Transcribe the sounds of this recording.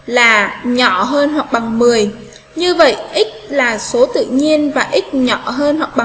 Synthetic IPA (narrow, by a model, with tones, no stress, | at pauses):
laː˨˩ɲɔ˧˩ɦəː˧nɦwa˨˩k̚ɓa˨˩ŋmɨ˨˩əj | ɲɨ˧və̰˧˨jʔi˦˥k̚laː˨˩so˨˦t̪ɨ̰˧˨ɲi˧ənvaː˨˩ʔi˦˥k̟̚ɲɔ˧˩˨ɦəː˧nhwa˨˩k͡p̚ɓa˨˩ŋ